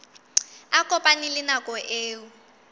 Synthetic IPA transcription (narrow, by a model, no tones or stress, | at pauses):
akʼɔpʼanilɪnakʼɔʔeːwu